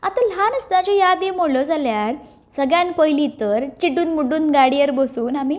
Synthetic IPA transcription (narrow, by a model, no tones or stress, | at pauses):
at̪əlanəst̪ãt͡ɕɔjad̪em̤olɔd͡zaljaɾ | səɡɭjanpəjlit̪əɾt͡ɕiʈuːnmuɖuːnɡaɽiəɾbəsuːnamiː